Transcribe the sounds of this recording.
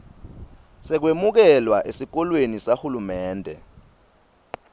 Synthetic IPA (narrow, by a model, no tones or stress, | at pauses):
sɛk̬wemuk̬ɛlwaʔesik̬ɔlwenisahulumɛːndʱɛ̰